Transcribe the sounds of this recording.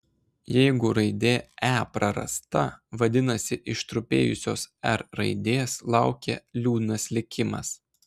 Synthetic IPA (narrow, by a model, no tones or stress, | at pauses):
jɛɪɡʊɾɐɪd̪ʲeːæːpɾɐɾɐ̰st̪ɐʋɐd̪ʲɪnɐsʲɪʔɪʃt̪ɾʊpʲeːjʊsʲoːsɛɾɾɐ̰ɪd̪ʲeːslˠɑˑʊkʲḛlʲuːd̪ʲnɐslʲɪkʲɪmɐ̰s